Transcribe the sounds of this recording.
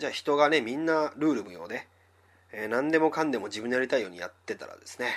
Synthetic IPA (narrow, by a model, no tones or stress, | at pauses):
d͡ʑaːçi̥t̪o̞ɡane̞mʲĩnːaɾɯ̟ːɾɯ̟mɯ̟jo̞ːd̪e̞ | eːnãnd̪e̞mo̞kãnd̪e̞mo̞d͡ʑibɯ̟nd̪ejaɾʲit̪aijo̞ːɲija̰t̪ːe̞t̪a̰ɾa̰d̪e̞sɨ̥ne̞